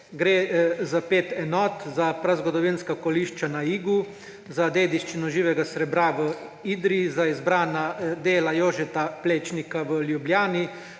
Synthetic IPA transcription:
ɡɾeːzapeːt̪ɛnɔt̪zapɾazɡɔd̪ɔʋinskakɔliʃt͡ʃanaiːɡu | zad̪eːd̪iʃt͡ʃinɔʒiːʋɛɡasɾɛbɾaʋə | iːd̪ɾizaizbɾaːnad̪eːlajoːʒɛt̪apleːt͡ʃnikaʋəljubljaːni

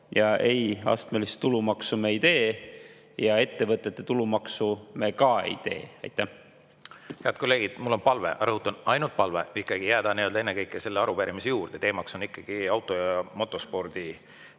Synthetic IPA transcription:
jɑe̞jɑ̰st̪melist̪ulumɑksumeejt̪e̞ː | jɑe̞t̪ːe̞vɤt̪ːˑe̞t̪ːe̞t̪ulumɑksumekɑe̞̰jt̪e̞̰ːɑ̰jt̪ːˑæh | heɑd̪̥̚ko̞lːeːɡ̥id̪̥mulːo̞npɑlve̞̰ʔɑ̰ɾɤɦut̪ːˑonɑjnult̪̚pɑlveikːˑɑɡ̥ijæːd̪̥ɑniø̞ld̪ɑe̞nːekɤjkːˑese̞lːeɑɾupæɾʔimisejuːrd̪̥e̞t̪e̞ːmɑkso̞nikːˑɑɡ̥iɑwt̪ːˑojɑmo̞t̪ːˑo̞spo̞rd̪̥i

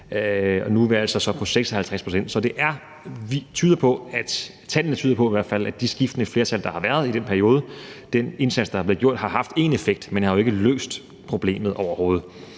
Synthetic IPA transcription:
ɒnuʋeælsɒ̽sɒ̽pʰɒ̽seɡ̥sɒhælt͡sʰʁaspʰʁo̝sen̰d̥sɒ̽d̥e̝ʔæɐ | ʋit͡sʰyːð̞ˠɐpʰɒ̽æd̥ | t͡sʰæl̰ənət͡sʰyːðˠɐpʰɒ̽iʋæɐ̥fælæd̥isɡ̥ifd̥ənəfle̝ːɐt͡sʰæld̥ɑ̈hɑ̈ʋæɐð̞̩ˠid̥enpʰæɐio̝ːð̞ˠəd̥ene̝nsæd̥sd̥ɑ̈ɑɐb̥le̝ð̩ɡ̥o̝ɐ̰d̥ɦɑ̈ɦɑ̈fd̥e̝̰ːnefeɡ̥̚d̥menhɑ̈joe̝ɡ̥əlø̰ːsd̥ | pʰʁo̝b̥le̝̰ːmð̞̩ˠʔɒʊɐho̝ːð̞̩ˠ

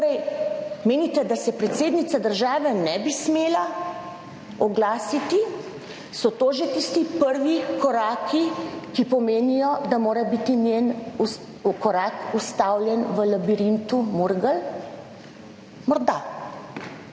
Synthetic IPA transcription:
t̪oɾɛjmeːnit̪ɛd̪asɛpɾɛt̪seːd̪nit̪sad̪əɾʒaːʋɛnɛbismeːla | ɔɡlaːsit̪i | sɔt̪oːʒɛt̪ist̪ipəɾʋikɔɾaːkʰikipɔmeːnijɔd̪amoːɾɛbit̪injen | kɔɾaːkust̪aːwljɛnʋəlabiɾint̪umuɾɡəl | mɔɾd̪a

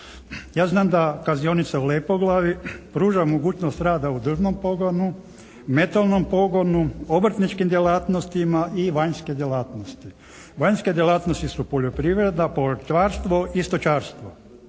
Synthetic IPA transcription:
jaːznaːmd̪akazio̞nit̪saulepo̞ɡlˠaʋipɾuːʒamoɡuːt͡ʃnost̪ɾaːd̪aud̪r̩ʒnompo̞ɡonu | me̞t̪alˠnompo̞ɡo̞nuo̞br̩t̪nit͡ʃkimd̪jelaːt̪nost̪imaʔiʋaɲske̞d̪jelaːt̪nost̪i | ʋaɲske̞d̪jelˠaːt̪nost̪isupo̞ʎo̞pɾiʋɾe̞d̪napot͡ʃʋaːɾst̪ʋoʔist̪ot͡ʃaːɾst̪ʋo

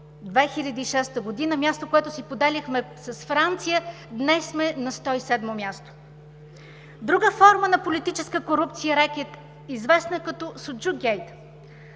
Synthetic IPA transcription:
d̪vɛxilʲɐd̪iːʃɛst̪əɡod̪inəmʲjast̪okoɛt̪ʊsipod̪ɛlixmɛsɐsfɾant̪sijə | d̪nɛsmɛnɐst̪ɔisɛd̪momʲjast̪o̥ | d̪ɾuɡəfɔɾmənɐpolit̪it͡ʃɛskəkoɾupt̪sijəɾɛkʲɛt̪ | izvɛsnəkɐt̪ɔsod͡ʒuɡʲɛjt̪

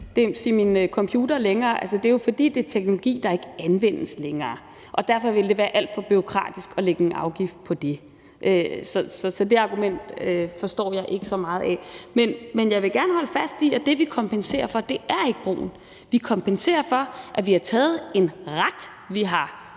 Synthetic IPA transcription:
d̥e̝siminkʰɒ̽mpʰjuːd̥ɐleŋɐːʔæls̬ɐd̥e̝jo̝fɒ̽d̥ḭːd̥e̝t͡sʰeɡ̥no̝lo̝ɡ̥ḭːd̥ɑ̈e̝ɡ̥əænʋen̰əsleŋɐː | ʔɒ̽d̥æɐfɒ̽ʋe̝ld̥e̝ʋæːɐʔæl̰d̥fɒ̽b̥yʁo̝kʰʁɑ̰̈ːd̥isɡ̥ɒ̽leɡ̥əenʔɑ̈ʊɡ̥ifd̥̚pʰɒ̽d̥e̝ | ʔøsɒ̽sɒ̽sɒ̽d̥e̝ɑ̈ɡ̥umen̰d̥øfɒ̽sd̥ɒ̰ːjɑ̈ɪʔe̝ɡ̥əsɒ̽mɑ̈ːð̞̩ˠɛ̰menmenjɑ̈ɪʋe̝ɡ̥æɐnəhɒ̽ləfæsd̥iɒd̥e̝ʋikʰɒ̽mpʰense̝̰ːɐfɒ̽d̥e̝ʔæɐe̝ɡ̥əb̥ʁo̰ːn̩ | ʋikʰɒ̽mpʰense̝̰ːɐfɒ̽ʔæʋihɑ̈t͡sʰɛːð̞̩ˠe̝nʁad̥ | ʋiɦɑ̈

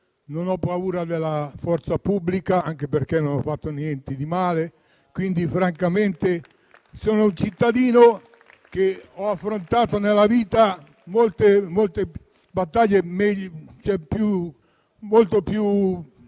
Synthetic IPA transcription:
nonɔpːauːɾad̪elːafɔrt̪sapubːlikaaŋkeperk̟enːonɔfːat̪ːonjɛnt̪ed̪imaːle | kwind̪ifɾaŋkament̪e | soːnount͡ʃit̪ːad̪iːno | k̟eɔafːɾont̪aːt̪onelːaviːt̪a | molt̪emolt̪e | bat̪ːaʎːemɛʎt͡ʃɛpju | molt̪opju

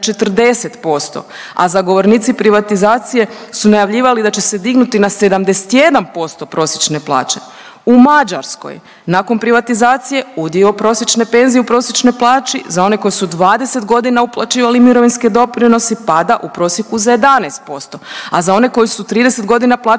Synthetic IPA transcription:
t͡ʃe̞t̪rd̪e̞se̞t̪po̞st̪o̞̰ | a̰zaɡo̞ʋo̞ɾniːt̪sipɾiʋat̪izaːt̪sije̞sunajaʋʎiːʋalid̪at͡ʃe̞se̞d̪iɡnut̪inase̞d̪amd̪ese̥t̪je̞d̪ampo̞st̪o̞pɾo̞ːsjet͡ʃne̞plˠa̰ːt͡ʃe̞̥ | umad͡ʒaɾsko̞̰j | nako̞npɾiʋat̪izaːt̪sije̞ud̪jiopɾo̞sjet͡ʃne̞pe̞nzijeupɾo̞sjet͡ʃno̞jplˠaːt͡ʃizao̞ne̞ko̞jisud̪ʋaːd̪e̞se̞t̪ɡo̞d̪inauplˠat͡ʃiːʋalimiɾo̞ʋinske̞d̪o̞pɾino̞sipad̪aʔupɾo̞sjekuzaje̞d̪anest̪̚po̞st̪o̞azao̞ne̞ko̞jisut̪ɾiːd̪ese̞t̪ɡo̞d̪inaplˠaː

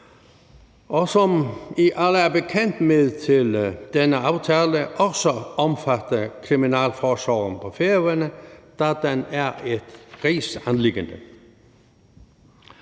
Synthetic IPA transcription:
ʔɔsɔmiʔɑləæɐbəkʰɛnd̪̥meðˠt̪ʰɪld̪̥ɛnəɑʊt̪ʰɛːləʔɔsɔɔmfat̪əkʰʁiminæːlfɔsɑːʁənpʰɔfeɐʋənəd̪̥ɑd̪̥enæed̪̥ʁiːsanlɪɡ̥ənd̥̪ə

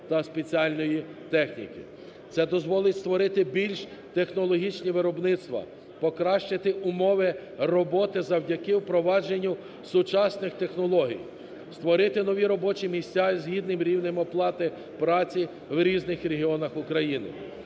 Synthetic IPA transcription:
t̪ɐspe̞t͡sʲiɑlʲnɔjit̪ɛxnʲḭkḭ | t̪sɛd̪ɔzʋɔlˠɪtʲst̪ʋɔɾɪt̪ɪbʲilʲʃt̪exnɔlˠɔɦʲit͡ʃnʲiʋɪɾɔbnɪt̪st̪ʋɐ̰ | pɔkɾɑʃt͡ʃɪt̪ɪʔʊmɔʋɪ | rɔbɔt̪ɪzɐwdʲɐkɪwpɾɔʋɑd͡ʒenʲːu | sʊt͡ʃɑsnɪxt̪e̞xnɔlˠɔɦʲḭj | st̪ʋɔɾɪt̪ɪnɔʋʲiɾɔbɔt͡ʃimʲisʲtʲazɦʲid̪̚nɪmɾʲiwnɪmɔplˠɑt̪ɪ | pɾɑt͡sʲi | wɾʲiznɪxɾʲeɦʲiɔnɐxʊkɾɐjinɪ̰

